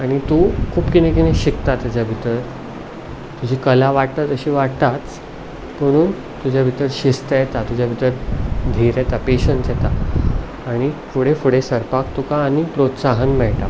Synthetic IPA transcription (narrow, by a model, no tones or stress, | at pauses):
aɽ̃it̪ukʰuːpkinẽkinẽɕikt̪at̪ad͡ʑjabʱit̪əɾ | t̪ud͡ʑʱiːkəlaʋaʈ̚t̪at̪əɕiːʋaʈt̪at͡s | məɽ̃uːn | t̪ud͡ʑjabʱit̪əɾɕist̪əjet̪at̪ud͡ʑjabʱit̪əɾd̪ʱiɾjet̪apeɕənsjet̪aː | ɽ̃ifuɽefuɽesəɾpak̚t̪ukaːnipɾot̪saɦənmɛɭʈa